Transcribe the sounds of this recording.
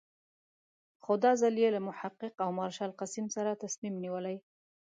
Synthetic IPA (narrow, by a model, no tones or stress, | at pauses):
xʊd̪ɑzaljelamʊħaqːɪqawmɑɾʃɑlqasimsaɾat̪asmimniwəlaj